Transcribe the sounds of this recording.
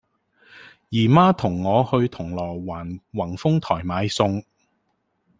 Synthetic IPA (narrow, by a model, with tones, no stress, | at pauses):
jiː˨˩maː˥t̪ʰʊ˨˩ŋːɔː˨˧hɵ˧ɥt̪ʰʊ˨˩ŋlɔː˨˩jwaː˨˩nwɐ˨˩nfʊ˥ŋt̪ʰɔː˨˩jmaː˨˧jsʊ˧ŋ